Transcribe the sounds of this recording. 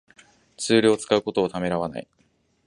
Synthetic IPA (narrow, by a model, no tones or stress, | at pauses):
t͡sɨːɾʲio̞t͡sɨ̥kaɯ̟ko̞t̪o̞ːt̪ame̞ɾaβ̞ana̰ḭ